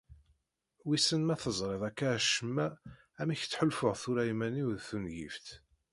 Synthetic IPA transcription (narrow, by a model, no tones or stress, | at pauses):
wisənmæθəzˤɾˤeðækːæʃəmːæ | æmiçt͡sːħəlfʊʁθuɾæimæniwðθunʝḭft̪